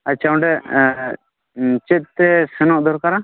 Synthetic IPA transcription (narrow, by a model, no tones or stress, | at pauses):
at͡ʃʰawɳɖɛ | t͡ʃɛt̪̚ːɛsɛnɔʔd̪ʱɔɾkaɾa